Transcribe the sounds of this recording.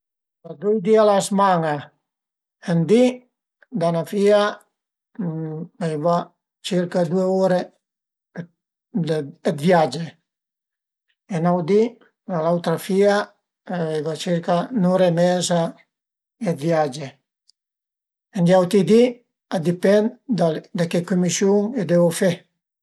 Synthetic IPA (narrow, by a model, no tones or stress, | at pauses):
lad̪ujd̪ialasmaŋa | end̪i | d̪anafia | ajva | t͡ʃiɾkad̪ueoɾe | ɛt̪vjad͡ʒe | enawd̪i | nalawt̪ɾafia | ajvat͡ʃiɾkanoɾemɛza | ɛt̪vjad͡ʒe | end̪jawt̪id̪i | ad̪ipɛnd̪ad̪akekumisjuŋed̪ɛvofɛ